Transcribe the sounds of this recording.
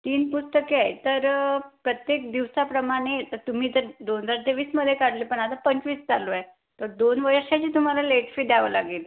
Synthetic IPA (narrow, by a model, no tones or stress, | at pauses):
t̪iːnpust̪əkeajt̪əɾpɾət̪jek̚d̪iʋsapɾəmaɽ̃et̪əɾt̪um̤iːt̪əɾd̪ond͡zaɾt̪eʋiːsməd̪ʱːjekaɽliːpəɳat̪apəɲt͡ɕʋiːsd͡zaloaj | t̪oɾd̪onʋəɾʂat͡ɕiːt̪um̤alaleʈfiɖjaʋəlaɡiːl